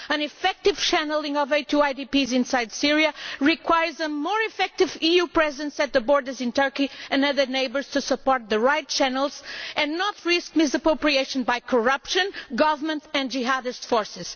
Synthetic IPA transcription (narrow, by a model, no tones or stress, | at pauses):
ɨ̃nɨfɛk̚tɪv̥ʃænl̩ˠĩŋɔvetʰuaɪdipizɪ̃nsajd̪siɹiɨɹikʰwajə˞zəmɔɹɪfɛk̚tɪvijupɹɛzɨ̃nsɨt̪̚ðəbɔɹdə˞zɨ̃ntʰɜ˞kiɨ̃nʌðə˞neɪbə˞z̥tʰusəpɔɹt̪̚ðɨɹaɪt̚t͡ʃænəl̩ˠzɨ̃nːɔtɹisk̚mɪsəpɹoʊpɹieɪʃɨ̃nbajkʰəɹʌpʃɨ̃nɡʌvə˞mə̃ntɨ̃nd͡ʒiɦaðɨstfɔɹsɪz̥